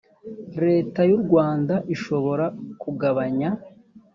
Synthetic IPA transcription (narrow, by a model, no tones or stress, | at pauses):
ɾe̞ːtajuɾɡwaːndaʔiʃo̞βo̞ɾakuɡaβaɲa